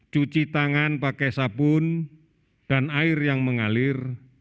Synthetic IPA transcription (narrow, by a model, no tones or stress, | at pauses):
t͡ʃut͡ʃit̪aŋanpakesapʊn | d̥anaɪrjaŋməŋalɪr